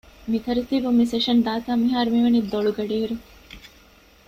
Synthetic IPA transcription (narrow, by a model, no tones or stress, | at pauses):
mit̪ʰɐɾit̪ibumːiseʂɐnd̪aːt̪aːmiɦaːɾumiʋɐnid̪oɭuɡɐɖiiɾu